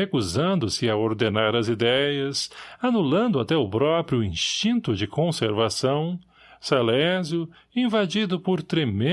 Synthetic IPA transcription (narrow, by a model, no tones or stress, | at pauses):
ekuzɐ̃nd̪ʊsɪɐoɾd̪enaɾɐzid̪ɛjɐsanulɐ̃nd̪ʊat̪ɛʊpɾɔpɾjʊĩst͡ʃĩnt̪ʊd͡ʒɪkõseɾvasɐ̃w̃ | salɛzjʊ | ĩvad͡ʒid̪ʊpʊɾt̪ɾemẽ